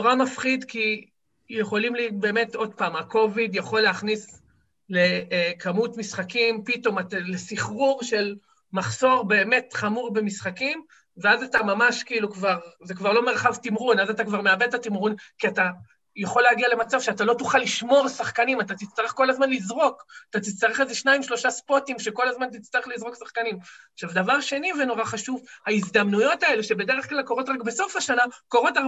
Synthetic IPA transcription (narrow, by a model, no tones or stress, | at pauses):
toʁamafχid̪ki | jeχo̞limlibe̞ːme̞to̞d̚paːmako̞vidjaχo̞lːeaχnis | lekʰamutmisχakimpito̞matalesiχʁuʁʃe̞l | maχso̞ʁbe̞ːme̞tχamuʁbe̞misχakim | veazatamamaʃkiilukvaʁzekvaʁlo̞me̞ʁχavtimʁunazatakvaʁme̞abed̚tatimʁunkiata | jaχo̞lːeaɡiale̞mat͡savʃeatalo̞tuχalːiʃmo̞ʁsaχkanimat̪at̪it͡st̪aʁeχko̞lazmanlizʁo̞kat̪at̪it͡st̪aʁeχeze̞ʃnaimʃlo̞ʃaspotimʃe̞ko̞lazmant̪it͡st̪aʁeχlizʁo̞ksaχkanimaχʃavd̪avaʁʃe̞niveno̞ʁaχaʃuvhaizd̪amnujo̞tae̞leʃe̞be̞de̞ʁe̞χklalko̞ʁo̞tʁakbe̞so̞faʃanakoʁo̞ta